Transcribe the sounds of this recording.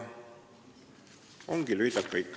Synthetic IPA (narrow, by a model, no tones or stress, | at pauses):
o̞ŋɡ̥ilyjd̪̥ɑkːɑikː